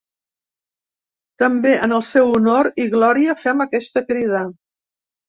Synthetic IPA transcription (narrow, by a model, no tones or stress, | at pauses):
t̪əmbeʔənəlˠsɛwunoɾiɣlɔɾiəfɛməkɛst̪əkɾiðə